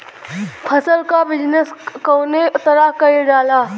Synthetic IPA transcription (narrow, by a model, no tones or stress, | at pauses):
pʰɐsəlkabɪd͡ʒnəskoːneʊt̪əɾakɐeɖaːlaː